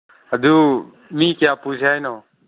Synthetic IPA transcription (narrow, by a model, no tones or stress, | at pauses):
əd̪uː | mĩːkjaːpuːd͡ʒʰʱaːinoː